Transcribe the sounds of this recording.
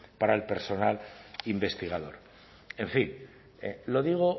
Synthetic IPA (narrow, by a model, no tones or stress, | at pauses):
paɾaelpe̞ɾso̞nalimbe̞st̪iɣ̞aðo̞̰ɾ | e̞ɱfin | elo̞ðiɣ̞o